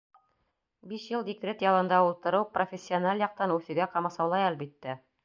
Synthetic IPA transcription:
biʃjɤlˠd̪ʲikrʲet̪jɑlˠɤ̆nd̪ɑulˠt̪ɤ̆ɾɤwprofʲesʲːionalʲjɑq̚t̪ɑnʉθɘ̆ɡæqɑmɑsɑwlˠɑjælbit̪ːæ

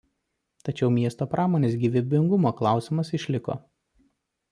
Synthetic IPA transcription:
t̪ɐt͡ʃʲɛʊmʲiɛst̪oːpɾʔɑːmoːnʲeːs̬ɡʲiːʋʲɪbʲɪŋɡʊmoːklˠɑˑʊsʲɪmɐsɪʃʲlʲɪko̰ː

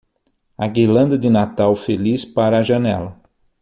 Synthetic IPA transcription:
ɐɡilɐ̃nd̪ɐd̪ɪnat̪awfelispaɾɐːʒɐnɛ̰lɐ

